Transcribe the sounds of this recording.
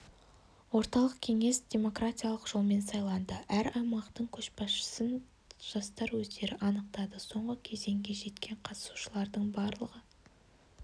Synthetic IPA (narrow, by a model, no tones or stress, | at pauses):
wo̞ɾt̪ɑlˠəqkʲʰe̞ŋe̞sd̪ʲe̞mo̞kratʲijalˠəqʒ̥o̞lˠme̞nsɑjlˠɑnd̪əʔæɾɑjmɑqt̪əɴkʲʰɵʃpɑsʃə̥sən | ʒ̥ɑst̪ɑɾwɵzd̪e̞ɾɪʔɑnəq̚t̪ɑd̪əso̞ɴʁəkʲʰe̞ze̞ŋɡʲe̞ʒe̞t̪kʲʰe̞ɴqʰɑt̪ə̥su̥ʃəlˠɑɾd̪əɴbɑɾlˠəʁə